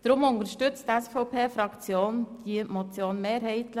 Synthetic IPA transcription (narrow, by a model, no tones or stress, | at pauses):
d̥ɾʊmʊnt̪əɾʃtʏt͡stɛsfɔʊpʰeːfɾɑkt͡sjoːnd̥iəmɔt͡sjoːnmeːɾhɛɪtlə